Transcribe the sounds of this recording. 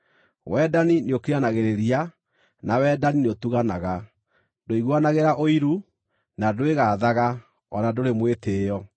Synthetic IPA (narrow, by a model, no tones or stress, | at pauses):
wɛdanineokeanaɣeɾeɾia | nawɛdanineotuɣanaɣa | doiɣwanaɣeɾaʔoiɾu | nadoweɣaːðaɣa | ɔnadoɾemweteːjɔ